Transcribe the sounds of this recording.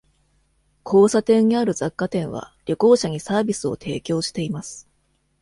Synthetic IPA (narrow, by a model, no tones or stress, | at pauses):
kʰo̞ːsat̪ẽ̞ɲ̟ːiaɾɯ̟zakːat̪ẽ̞ɰ̃βa̰ɾʲo̞ko̞ːɕaɲ̟isaːbʲisɨo̞̰t̪ʰe̞̰ːkʲo̞ːɕi̥t̪e̞imasɨ̥